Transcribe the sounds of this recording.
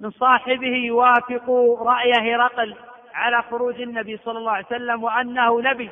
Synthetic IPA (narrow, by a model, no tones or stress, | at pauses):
mɪnsˤɑːħɪbɪhɪjwaːfɪquɾˤɑʔjahɾˤɑql | ʕalaːxʊɾuːd͡ʒanːabisˤɑlːɑlːɑːʕjsalːamwaʔanːahʊnabi